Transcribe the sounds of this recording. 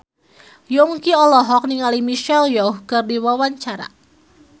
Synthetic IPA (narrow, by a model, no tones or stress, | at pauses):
jɔŋkiɔlɔɦɔk̚niŋalimiʃɛljɔhkərdiwawaɲt͡ʃaɾa̰